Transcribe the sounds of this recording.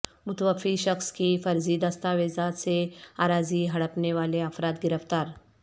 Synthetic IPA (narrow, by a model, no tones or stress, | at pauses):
mʊt̪ʋəfiʃɐxskifɐɾzid̪ɐst̪aʋeːzaːt̪seaːɾaːziɦɐɽəpneʋaːleɐfɾaːt̪ɡɪɾəft̪aːɾ